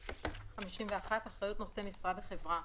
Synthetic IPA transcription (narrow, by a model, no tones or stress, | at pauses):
χamiʃimveaχataχʁajut̪nosemisʁadeχe̞vʁa